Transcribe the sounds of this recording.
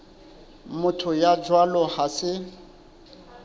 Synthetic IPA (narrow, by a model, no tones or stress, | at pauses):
mʊtʰʊjad͡ʒwalɔhasɪ